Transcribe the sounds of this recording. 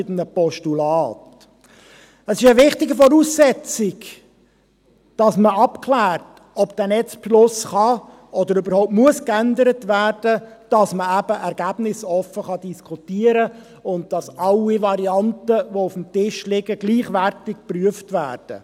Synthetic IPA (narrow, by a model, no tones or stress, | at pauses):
ɪtənəpɔʃtulɑːt | əsɪʃəvɪχtɪɡəfɔɾuːsːɛt͡sɪɡ | d̥ɑsməɑpkʰlæːrt | ɔbd̥ænɛt͡spʃlʊsχɑ | ʔɔd̪əɾybəɾhoʊp̚tmuəskændəɾətvæːrd̥əd̥ɑsməæb̥əʔɛɾɡ̥æb̥nɪsɔfːəχɑd̥iskχutiəɾə | ʊnt̚d̥ɑsɑlːiʋɑɾiɑntəʋɔʊfm̩tɪʃlɪɡəɡliːχʋæɾtɪk̚pryəftʋæ̰ːrd̥ə̰